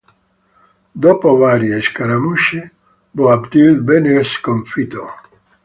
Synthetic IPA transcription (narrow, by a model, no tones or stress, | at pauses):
d̪opovaɾjeʃkaɾamuʃe | boabd̪ilbeneskoɱfit̪o